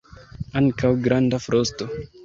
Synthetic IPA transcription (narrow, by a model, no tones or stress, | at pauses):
aŋkawɡɾandafɾʔosto